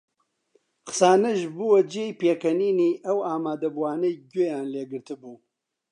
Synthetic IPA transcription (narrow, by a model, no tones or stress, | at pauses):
xsaːnɐʒbuwɐd͡ʒeːjpeːkʰɐniːniːʔɐwaːmaːd̪ɐbuwaːnɐjɟeːjaːnleːɡɨɾt̪ɨbuː